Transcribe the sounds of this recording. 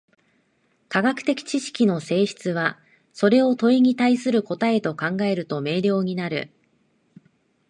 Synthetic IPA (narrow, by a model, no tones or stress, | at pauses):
kaɡakɯ̟̥t̪e̞kʲi̥t͡ɕiɕi̥kʲino̞se̞ːɕi̥t͡sɨβa | so̞ɾe̞o̞t̪o̞iɲ̟it̪aisɨɾɯ̟ko̞t̪ae̞t̪o̞kãŋɡae̞ɾɯ̟t̪o̞me̞ːɾʲo̞ːɲ̟inaɾɯ̟̰